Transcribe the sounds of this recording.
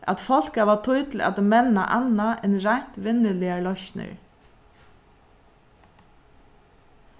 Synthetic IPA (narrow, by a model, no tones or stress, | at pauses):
ʔæ̰t̪fɔl̥kaʋat̪ʰʊjt̪l̩a̰t̪mɛna̰ʔanaʔɛnɾan̥t̪ʋɪnːəlɪalɔçnə̰ɹ